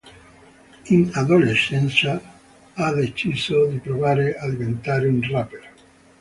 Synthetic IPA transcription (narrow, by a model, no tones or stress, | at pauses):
inaðolesɛnsa | aðet͡ʃisod̪ipɾoβaɾeaðiβent̪aɾeunrapeɾ